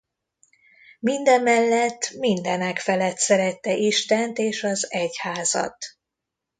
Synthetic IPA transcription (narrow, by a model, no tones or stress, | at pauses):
mind̪ɛmːɛlːɛt̪ːmind̪ɛnɛkfɛlɛt̪sɛɾɛt̪ːɛʔiʃt̪ɛnt̪eːʃɒzɛchaːzɒ̰t̪